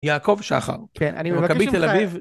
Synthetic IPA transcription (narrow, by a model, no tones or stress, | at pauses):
jaːko̞vʃa̰χa̰ʁken̰nmakabit̪elaviv